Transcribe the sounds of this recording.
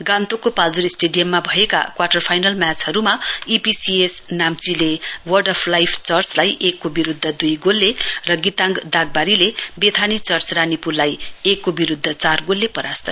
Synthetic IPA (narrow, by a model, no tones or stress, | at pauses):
ɡãnt̪okopald̪uɾisʈeɖijʌmːabʱʌeka̰kwarʈʌrpʰajnʌlmjat͡sɦʌɾumaipisiesnamt͡silewʌrɖʌpʰlajpʰt͡sʌrt͡slajʔekːobiɾud̪ʱːʌd̪ujɡolːerʌɡit̪ãŋɡd̪aɡ̚baɾilebet̪ʰanit͡sʌrt͡sranipurlajekːobiɾud̪ʱːʌt͡sarɡolːepʌɾast̪ʌ